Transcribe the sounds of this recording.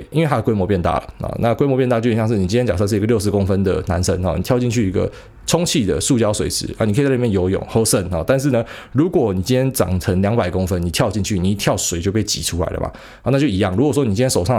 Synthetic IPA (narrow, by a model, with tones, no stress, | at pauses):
ʔi˥nwe˥˩t̪ʰa˥də˨kwe˥ɪmwɔ˧˥pjɛ˥˧nt̪a̰˥˩lə̰˩ɔ̰˨nʔa̰˥˨kwe˥ɪmɔ˧p̬jt̪a˥˧˩t͡ɕo˥˧˩i˨˩ɕjŋʂ̬̩˥˩ni˨˩t͡ɕi˥njɛ˥t͡ɕa˨˩sa˥˧ʂ̬̩˥˩i˧ɡə˧jʊʂ̬̩˧˦ko˦ŋfə˦nd̪ə̰˨na˧˦nsə˦˥nɔ̰˨ni˨˩t̪jɑ˥˧ʊt͡ɕi˥˧nt͡ɕʰy˥˩i˧˥ɡə̰˧ | ʈ͡ʂʰʊ˥ŋt͡ɕʰi˥˩d̪ə̰˩ʂu˥˨˩t͡ɕjɑ˥ʊswḛ˨˩ɪʂɻ̩̰˧˦ɐ̰˧˩ni˨kʰjjo˧˥ʊjo̰˨˩ŋxo˥ʊsə˥˧nxɔ̰˨˩t̪a˥˧nʂ̬ɻ̩˥˩nə˩ | ɻu˨˥kwɔ˨˦ni˨˩t͡ɕi˥nʰjɛ˥nt͡sɑ̰˨˩ŋt͡sʰə˧˥ŋljɑ˧˥ŋpa˨˩ɪko˦ŋfə˦nni˨˩t̪ʰjɑ˥˧ʊt͡ɕi˥˧nt͡ɕʰy˥˩ni˨˩t̪ʰjɑ˥˩ʊswe˨˦t͡ɕjo˥˧pe˥˩ɪt͡ɕḭ˨˩ʈ͡ʂʰu˥la̰˧˦ɪlə̰˩ma̰˨˩˨ | na˥˩t͡ɕjo˥˩ʊi˧˥jɑ˥˩ŋɻu˧˥kwɔ˨˩swɔ˥ni˨t͡ɕi˥njɛ˥ʂo˨˩ʊʂɑ˥˨